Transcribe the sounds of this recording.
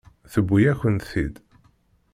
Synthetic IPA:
θəbʷːijæçənt̪θḭd̪

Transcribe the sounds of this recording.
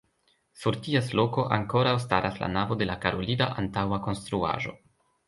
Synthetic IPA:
suɾtiaslo̞ko̞ʔaŋko̞ɾawstaɾʔasla̰navo̞de̞lakaɾolidaʔantawako̞nst̪ɾua̰ʒo̞̰

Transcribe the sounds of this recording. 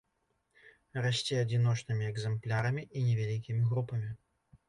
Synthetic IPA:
rasʲt͡sʲɛɐd͡zʲin̪ɔt͡ʂnɨmʲiɛɡzɛmplʲaɾɐmʲiʔinʲɛvʲalʲikʲimʲiɣɾupɐmʲi

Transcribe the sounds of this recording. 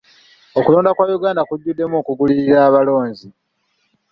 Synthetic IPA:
okuloːndakwaːjuɡaːndakuɟːudːe̞mokuɡuliɾiɾaːβalo̞ːɲzi

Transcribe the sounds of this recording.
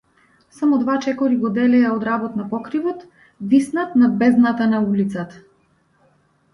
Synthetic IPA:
samɔd̪vat͡ʃɛkɔɾiɡɔd̪ɛlɛaɔd̪ɾabɔt̪napɔkɾivɔt̪ | visnat̪nad̪̚bɛznat̪anaulit̪sat̪ḁ

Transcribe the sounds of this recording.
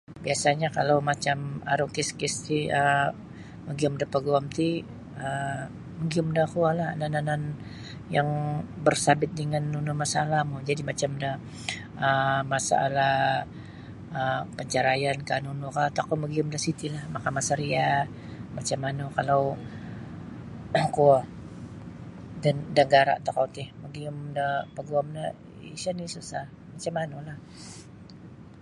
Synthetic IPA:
biasaɲakalawmat͡ʃama̰ɾukɪskɪst̪iə | məɡiʊmdapəɡuamt̪i | ə | məɡiʊmdakualanananan | jaŋbərsabɪt̪̚dəŋanːunumasaːlamud͡ʒadimat͡ʃamdah | əmasa̰ʔːla | əpəɲt͡ʃaɾajankanunukat̪akaməɡiʊmdasit̪ilahmakamasəɾia | mat͡ʃamːanukalaw | ku | dandaɡaɾa̰ʔt̪akawt̪ɪhməɡiʊmdapəɡuamna | ḭsanisusah | mat͡ʃamːanulah

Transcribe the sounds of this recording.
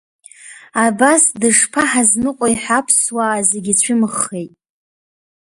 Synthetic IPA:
abasdɨʂpʰaħaznɨqʷʼojħapʰswaːzeɡʲit͡ɕʷʰɪmɨχːe̞jtʼ

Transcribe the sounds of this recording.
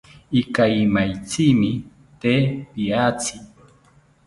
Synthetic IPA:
ɪkajmajt͡simɪ | t̪eːpiaːt͡si

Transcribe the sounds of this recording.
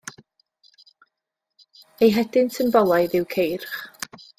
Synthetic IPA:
ejɦɛdɪntʰənbɔlˠajðɪwkʰejrχ

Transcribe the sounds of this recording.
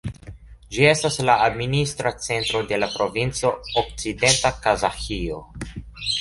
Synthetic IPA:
d͡ʒie̞staslaːd̪minist̪ɾat͡se̞nt̪ɾod̪e̞lapɾo̞vint͡so̞ok̚t͡sid̪e̞nt̪akazaxio

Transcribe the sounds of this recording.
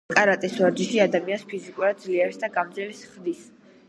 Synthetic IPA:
kʼaɾat̪ʼɛswaɾd͡ʒiʃiad̪amianspʰizikʼuɾad̪̚d̪zliɛɾsd̪aɡamd̪zɛlɛsχd̪is

